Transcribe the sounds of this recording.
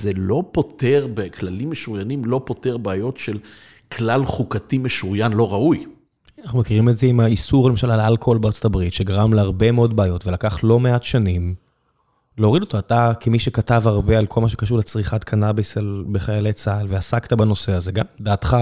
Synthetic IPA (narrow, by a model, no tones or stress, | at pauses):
zelo̞poteʁbekʰlalimːeʃuʁjanimlo̞po̞teʁbeajo̞tʃel | kʰlalχukatimeʃuʁjanlo̞ʁauj | anaχnumekiʁimetzeimaisuʁalemaʃalalalkoolbeaːt͡sotabʁitʃeɡaʁamleaʁbe̞meo̞dbeːjo̞tve̞lakaχtlo̞me̞atʃanim | leoʁido̞t̪oatakʰemiʃekatavaʁbe̞alkʰo̞lmaʃ̬ekaʃ̬uʁlet͡sʁiχat̪kʰanabesalbeχajalejt͡salveasaktabano̞se̞aze̞ɡamdaːtχa